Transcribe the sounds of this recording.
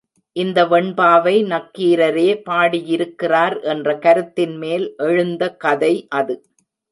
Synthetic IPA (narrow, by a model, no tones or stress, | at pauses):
ʔɪnd̪ɐʋɛɳbaːʋɐɪnɐkːiːɾɐɾeːpaːɽijɪɾɯkːɪraːɾʔɛndrɐkɐɾɯt̪ːɪnmeːlʔɛɻɯnd̪ɐkɐðɐɪʔɐðɯ